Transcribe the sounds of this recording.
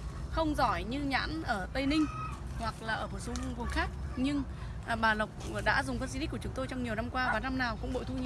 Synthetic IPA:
xə˧wŋ͡mzɔ˧˩jɲɨ˧ɲa̰ː˧˥nʔəː˧˩t̪ə˧jnï˧ŋ̟hwa˨˩k̚laː˨˩ʔəː˧˩ɓo˨˩so˨˦˧vu˨˩nxaː˦˥k̚ɲɨ˧ŋ | ɓaː˨˩lə˨˩wk͡p̚ɗa̰ː˧˥zʊ˨˩ŋ͡mfə˧nsi˧i̟˦˥kːʊ˨˦ŋ͡mt̪o˧jt͡ɕɔ˧wŋ͡mɲi˨˩əwna˧mkwaː˧vaː˨˩na˧mnaː˨˩wkʊ̰˧˥ŋ͡mɓo̰˧˨jt̪ʰu˧ɲ˧

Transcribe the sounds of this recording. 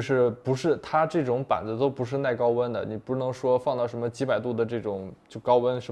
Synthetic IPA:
ʂɻ̩˥˩pu˧˥ʂɻ̩˥˩t̪ʰa˥ʈ͡ʂɤ˥˩ʈ͡ʂʊ˧˥ŋpa̰˨˩nd͡z̩˧˦t̪o˥ʊpu˧˥ʂɻ̩˥˧na˥˩ɪkɑ˥ʊwə˥nd̪ə̰˨ni˨˩pu˥nɤ˧˥ŋʂwɔ˥fɑ˥˧ŋt̪ɑ˥˩ʊʂ̬ə˧˥nmə˧t͡ɕi˧˥pa˨˩ɪt̪u˥˩d̪ə˩ʈ͡ʂɤ˥˩ʈ͡ʂʊ˨˩ŋt͡ɕjo˥˩ʊkɑ˥ʊwə˥nʂə˧˥

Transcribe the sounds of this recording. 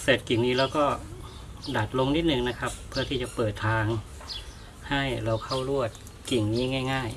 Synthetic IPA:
se˨˩t̪̚ki˨˩ŋniː˦˥lɛː˦˥wkɔː˥˩ | da˨˩t̪̚lo˧ŋni˥t̪̚nɯ˨˩ŋna˦˥kʰa˦˥pʰːɯ˥˩ɐiː˥˩t͡ɕa˨˩pɤː˨˩t̪ʰːaː˧ŋ | ha˥˩jɾa˧wkʰa˥˩wɾu˥˩ət̪̚ | ki˨˩ŋniː˦˥ŋaː˥˩jŋaː˥˩j

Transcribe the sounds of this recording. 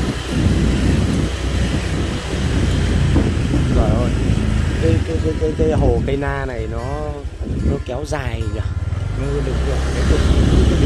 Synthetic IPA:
zɔː˨˩jzo˨˩jka˨˦jkaː˨˦jka˨˦jkaː˨˦jkaː˨˦jɦo˨˩kə˧jnaː˧na˨˩jnɔ˨˦ | nɔ˨˦kɛ˨˦wzaː˨˩jza˨˩nɔ˨˦˧ɗɨ̰˨˧˩ŋvḭ˨˩˨n˨kaː˨˦jzi˨˧˩ə˧˦˨

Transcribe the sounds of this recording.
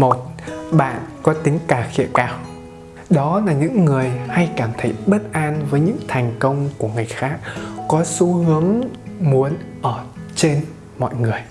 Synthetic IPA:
mo˨˩t̚ɓa̰ː˧˨nkɔ˨˦t̪ï˨˦ŋ̟kaː˧˩xḭ˧˨əmkaː˧˩w | ɗɔ˨˦laː˨˩ɲɨ̰˧˥ŋːɨ˨˩əjha˧jkaː˧˩mt̪ʰə˨˥jɓə˦˥t̚ʔaː˧nvəː˨˦jɲɨ̰˧˥ŋt̪ʰɛ˨˩jŋ̟kə˧wŋ͡mku˧˩əŋɨ˨˩əjxaː˦˥k̚ːɔ˨˦su˨˦hɨ˨˦əŋmu˨˦ənʔəː˧˩t͡ɕe˧n | mɔ̰˧˨jŋɨ˨˩əj

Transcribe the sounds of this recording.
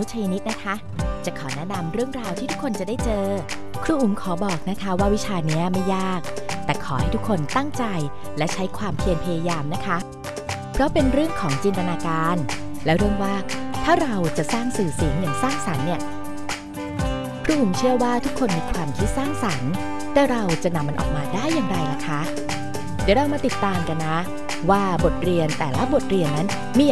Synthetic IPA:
nu˦˥t͡ɕ̪ʰa˧ji˧ni˦˥t̪̚na˦˥kʰa˦˥ | t͡ɕa˨˩kʰɔː˩˦nɛ˦˥na˧mɾɯ˥˩əŋɾaː˧wt̪ʰiː˥˩u˦˥kʰːo˧nt͡ɕa˨˩daː˥˩jt͡ɕɤː˧ | kʰɾuː˧ʔu˩˦mkʰɔː˩˦bɔː˨˩k̚na˦˥kʰa˦˥waː˥˩wi˦˥t͡ɕʰaː˧ni˦˥ɐma˥˩jːaː˥˩k̚t̪ɛː˨˩kʰɔː˩˦ha˥˩jt̪u˦˥kʰːo˧nt̪a˥˩ŋt͡ɕa˧j | lɛ˦˥wt͡ɕʰa˦˥jkʰwaː˧mpʰli˧ənpʰa˧jaː˧jaː˧mna˦˥kʰa˦˥ | pʰɾɔ˦˥pe˧nɾɯ˥˩əŋkʰɔː˩˦ŋt͡ɕi˧nt̪a˧naː˧kaː˧nlɛ˦˥wɾɯ˥˩əŋwaː˥˩t̪ʰaː˥˩ɾa˧wt͡ɕa˨˩saː˥˩ŋsɯː˨˩si˩˦ŋjaː˨˩ŋsaː˥˩ŋsa˩˦nːi˥˩ə | pʰɾa˦˥ʔu˨˩˦mt͡ɕʰɯ˥˩əwaː˥˩t̪ʰu˦˥kʰːo˧nmiː˧kʰwaː˧mkʰi˦˥t̪̚saː˥˩ŋsa˩˦n | t̪ɛː˥˩ɾa˧wt͡ɕa˨˩na˧mːa˧nʔɔ̰ː˨˩k̚maː˧daː˥˩jːaː˨˩ŋɾa˧jla˦˥kʰa˦˥ | d̪ɛː˨˩˦ɾa˧wmaː˧t̪i˨˩t̪ːaː˧mka˧nːa˦˥ | waː˥˩bo˨˩t̪̚ɾi˧ənt̪ɛː˨˩la˦˥bo˨˩t̪̚ɾi˧˩ənːa˦˥n | miː˧

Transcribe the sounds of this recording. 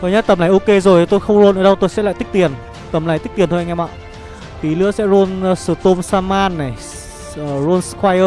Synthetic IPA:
kɔ˧jɲə˦˥t̪̚ə˨˩mlaː˨˩jʔo˧ke˧zo˨˩jt̪o˧jxə˧wŋ͡mzo˧nʔəː˨˩˦ɗə˧wt̪o˧jsɛ̰˧˥la̰˧˨t̪k̚t̪i˨˩ən | t̪ə˨˩mla˨˩t̪k̚t̪i˨˩ənt̪ʰːŋ˧mɓa̰ː˧˨w | t̪i˨˦lɨ̰˧˥əsɛ̰˧˥zo˧n˧sɨ˧˩t̪o˧msaː˧maː˧nːa˨˩j | ʔəː˨˩zo˧nskwaː˧jəː˧

